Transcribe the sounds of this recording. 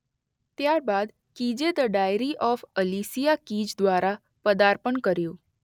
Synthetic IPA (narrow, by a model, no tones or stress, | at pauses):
t̪jaɾbad̪ | kid͡ʒed̪əɖajɾiʔɔfəlisijakid͡ʒd̪ʋaɾa | pəd̪aɾpəɳkəɾjõː